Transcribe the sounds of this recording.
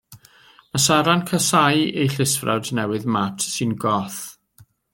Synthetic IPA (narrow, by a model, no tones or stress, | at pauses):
məsaɾankʰəsajejɬɪsfra̰wdnɛwɨðmatʰsɨnɡɔθ